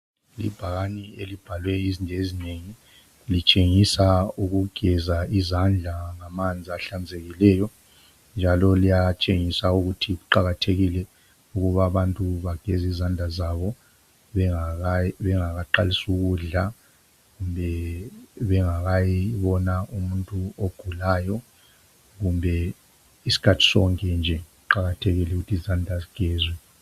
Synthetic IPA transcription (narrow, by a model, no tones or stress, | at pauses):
lḭb̥ʱaɣanielib̥ʱalwɛizindʱezineŋi | lit͡ʃʼeŋisauɣuɡ̥ʱɛzaizand͡ɮʱaŋamand͡zʱiaɬand͡zʱeɣilɛːjɔ | nd͡ʒʱalɔlijat͡ʃʼeŋisauɣutʰiɣuǃaɣatʰeɣilɛ | uɣuβaβantʼuβaɡ̥ʱɛzizand͡ɮʱazaβɔ | ɛaaβɛŋaɣaǃa̰lisuɣuɮa | ɣumbʱɛ | βɛŋaɣajiβɔnaumuntʼuoɡ̥ʱulaːjɔ | ɣumbʱɛ | isi̥kʰatʰi̥sɔ̰ŋkʼɛnd͡ʒʱɛɣuǃaɣatʰeɣilɛuɣutʰizandʱaziɡ̥ʱɛːzwɛ